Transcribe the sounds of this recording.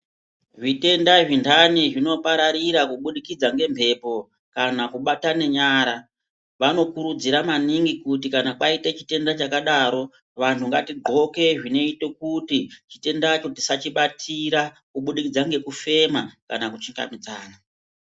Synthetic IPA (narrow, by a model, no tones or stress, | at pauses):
ʐite̞ndaʐintʰaniʐino̞paɾaɾiɾakuɓuɗikid͡zaŋɡe̞mpʰe̞po̞ | kanakuɓatane̞ɲaːɾa | ʋano̞kuɾud͡ziɾamaniŋɡikut̬ikanakaitet͡ʃi̥te̞ndat͡ʃakaɗaɾo̞ | ʋantʰuŋɡatiɡʱo̞ke̞ʐine̞ite̞kutit͡ʃite̞ndat͡ʃo̞tisat͡ʃiɓatʰiɾa | kuɓuɗikid͡zaŋɡe̞kufe̞makanakut͡ʃiŋɡa̰mid͡zaːna